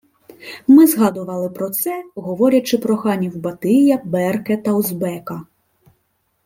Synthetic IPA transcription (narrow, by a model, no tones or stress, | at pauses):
mɨzɣad̪uvalˠɨpɾɔt̪sɛɣɔvɔɾʲɐt͡ʂɨpɾɔxanʲiwbat̪ɨjɐbɛrkɛt̪ɐwzbɛkɐ